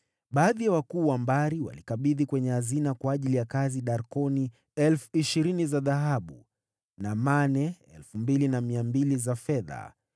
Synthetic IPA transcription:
ɓaːðijawakuːwambaɾiwa̰likaɓiðikwɛɲɛhazinakwaːʄilijakaziɗaɾkɔni | ɛlfu̥iʃiɾinizaðaɦaɓu | namanɛɛlfumbilinamiambilizafɛða̰

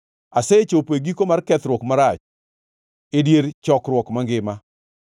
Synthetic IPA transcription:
aset͡ʃopeɡikomarkɛt̪ɾwɔkmaɾat͡ʃ | edjeɾt͡ʃɔkɾwɔkmaŋɡɪma

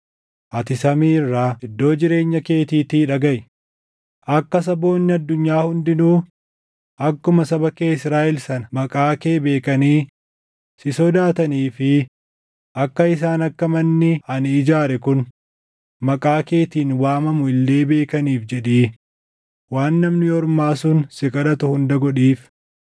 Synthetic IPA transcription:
ʔɐt̪ɪsɐmiːɪrːaːɪd̪ːo̞ːd͡ʒɪɾe̞ːɲːɐke̞ːt̪iːt̪iːᶑɐɡɐʔ | ʔɐkːɐs̬ɐbo̞ːnːɪɐd̪ːʊɲːaːhʊnd̪ɪnuː | ʔɐkːʊmɐsɐbɐkeːɪsɾaːʔɪlsɐnɐmɐkʼaːke̞ːbe̞ːkɐniː | sɪsɔd̪aːt̪ɐniːfɪ | ʔɐkːɐɪs̬aːnɐkːɐmɐnːɪɐnɪd͡ʒaːɾɛkʊn | mɐkʼaːke̞ːt̪iːnwaːmɐmʊɪlːe̞ːbe̞ːkɐniːfd͡ʒɛᶑeː | waːnːɐmnɪɔɾmaːsʊnsɪkʼɐᶑɐt̪ʊhʊnd̪ɐɡɔᶑiːf

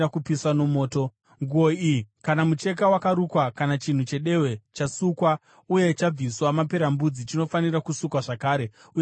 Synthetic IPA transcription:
akupiswano̞mo̞ːto̞ | ŋɡuo̞iikanamut͡ʃe̞k̬awakaɾukwakanat͡ʃin̤ut͡ʃe̞ɗe̞we̞t͡ʃasukwa | uje̞t͡ʃab͡viswamape̞ɾambud͡zit͡ʃino̞faniɾakusukwaʐakaːɾe | u

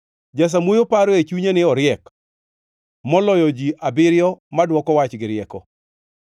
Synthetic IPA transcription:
d͡ʒas̬amwojopaɾoet͡ʃuɲenɪɔɾɪɛk | mɔlɔjɔd͡ʒiʔabɪɾjɔmadwɔkɔwat͡ʃɡɪɾɪɛkɔ

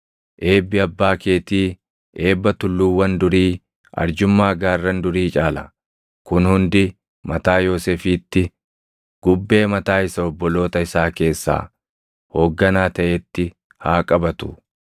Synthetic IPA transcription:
ʔe̞ːbːɪɐbːaːkeːt̪iː | ʔe̞ːbːɐt̪ʊlːuːwːɐnd̪ʊɾiː | ɐ̰ɾd͡ʒʊmːaːɡaːrːɐnd̪ʊɾiːt͡ʃʼaːlɐ̰ | kʊnhʊnd̪ɪ | mɐt̪aːjo̞ːseːfiːt̪ːɪ | ɡ̥ʊbːe̞ːmɐt̪aːɪsɐɔbːɔlo̞ːt̪ɐɪsaːke̞ːsːa̰ː | ho̞ːɡːɐnaːt̪ɐʔet̪ːɪ | haːkʼɐbɐt̪ʊ̰

